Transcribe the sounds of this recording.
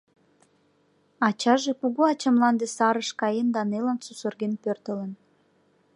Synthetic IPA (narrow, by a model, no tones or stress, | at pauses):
ɑt͡ɕɑʒekuɣoɑt͡ɕəmlɑnd̪esɑɾəʃkɑjend̪ɑnelənsusərɣenpørt̪ələn